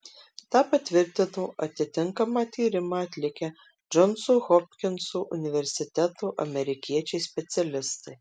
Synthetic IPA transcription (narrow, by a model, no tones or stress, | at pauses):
t̪ɑːpɐt̪ʲʋʲɪɾʲt̪ʲɪnuːʔɐt̪ʲɪt̪ʲɪŋkɐmɑːt̪ʲiːɾʲɪmɑːɐt̪ʲlʲɪkʲɛ | d͡ʒɔnsuːɣɔpʲkʲɪnsuʔʊnʲɪʋʲɛɾʲsʲɪt̪ʲɛt̪uːʔɐmʲɛɾʲɪkʲiɛt͡ʃʲɛɪsʲpʲɛt̪sʲɛlʲɪst̪ɐɪ